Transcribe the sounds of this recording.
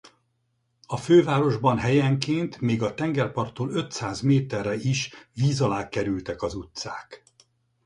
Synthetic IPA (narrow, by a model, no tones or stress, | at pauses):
ɒføːvaːɾo̞ʒbɒnɦɛjɛŋkeːnt̪meːɡɒt̪ɛŋɡɛrpɒrt̪ːoːlø̞t̪saːzmeːt̪ɛrːɛiʃʋiːzɒlaːkɛɾylt̪ɛkɒzut̪sa̰ːk